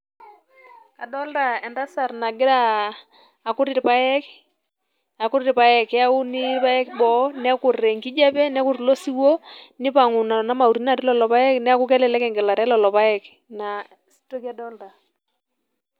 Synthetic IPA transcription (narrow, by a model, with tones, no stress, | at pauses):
a˨dɔ˦lda˨ɛ˨nda˦sa˨rna˨ɡɪ˦ɾaː˦˨ | kʊ˦ɾi˦ɾpa˦ɛ˦k | a˨kʊ˦ɾɪ˦ɾpa˨˦jɛ˨kɛ˦a˦u˦nɪ˦pa˦ɛ˦kbɔ˨˦nɛ˦kʊ˨rɛ˨ŋɡi˦d͡ʒa˦pɛ˦nɛ˦ku˨ɾlo˦si˦wo˦nɪ˦pa˨ŋʊ˨na˨na˦ma˨u˨ɾi˦na˨ɾi˦lɔ˨lɔ˨pa˦jɛ˦knɛ˦a˦kʊ˦kɛ˦lɛ˨lɛ˦kɛ˨ŋɡɛ˨la˨ɾɛ˦lɔ˨lɔ˨pa˦ɛ˨k | na˨ | si̥˦to˦ki˦a˦dɔ˦lda˨